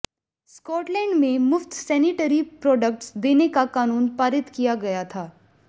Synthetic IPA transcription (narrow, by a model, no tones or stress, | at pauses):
skɔːʈlɛ̃ːɳɖmẽmʊft̪sɛːniʈəɾipɾɔːɖək̚ʈsd̪eːnekakaːnuːnpaːɾɪt̪kijaɡɐjat̪ʰaː